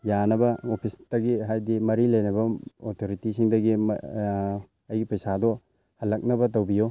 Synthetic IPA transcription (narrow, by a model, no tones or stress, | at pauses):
janɐbɐopʰisdɐɡiɦajdimɐɾilɐjnɐbɐotʰoɾitisiŋdɐɡim̰ | ɐjɡipɐjsadɔ | hɐlːɐk̚nɐbɐt̬ɐwbijo